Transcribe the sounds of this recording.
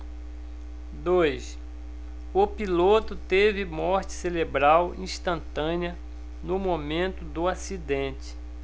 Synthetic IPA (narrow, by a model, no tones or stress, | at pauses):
d̪ojs | ʊpilot̪ʊt̪evɪmɔɾt͡ʃɪ̥selebɾawḭ̃ʃt̪ɐ̃nt̪ɐ̃niɐ | nʊmomẽnt̪ʊd̪ʊasid̪ẽt͡ʃɪ̥